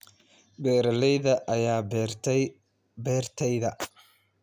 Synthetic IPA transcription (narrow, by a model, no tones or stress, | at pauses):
bɛːɾɐlɛjðɐʔɐjaː | bɛːrt̪ʰɛjðɐ